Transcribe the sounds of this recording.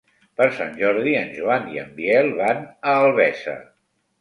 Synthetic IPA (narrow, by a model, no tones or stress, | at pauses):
pəɾsa̰nʲʒɔɾðiənʲʒuaniə̰mbiɛlˠβanəːlˠβɛsə̰